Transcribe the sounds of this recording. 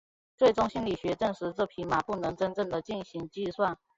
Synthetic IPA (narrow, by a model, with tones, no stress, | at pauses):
t͡swe˥˩ɪʈ͡ʂʊ˥ŋɕi˥nli˨˩ɕɥɛ˧˥ʈ͡ʂɤ˥˩ŋʂɻ̩˧˥ʈ͡ʂɤ˥˩pʰi˧˥ma˨˦pu˥˩nɤ˧˥ŋʈ͡ʂə˥nʈ͡ʂə˥˩ŋd̪ə˨t͡ɕi˥˩nɕi˧˥ŋt͡ɕi˥˧swa˥˨n